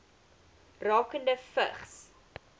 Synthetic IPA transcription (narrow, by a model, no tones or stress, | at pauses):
rɑːkəndəfə̰χs